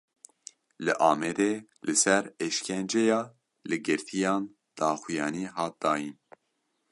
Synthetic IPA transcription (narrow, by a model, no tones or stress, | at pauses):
lɨʔɑːmɛd̪eːlɨsɛɾeʃkʰɛnd͡ʒejɑː | lɨɡɨɾt̪ʰijɑːn | d̪̥ɑːxujɑːniːɦɑːt̪̚d̪̥ɑːjin